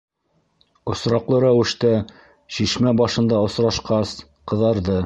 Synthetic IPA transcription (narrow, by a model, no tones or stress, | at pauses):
ŏsɾɑqlˠɤɾæwɘ̆ʃt̪æ | ɕiʃmæbɑʃɤ̆nd̪ɑŏsɾɑʃqɑs | qɤ̆ðɑɾðɤ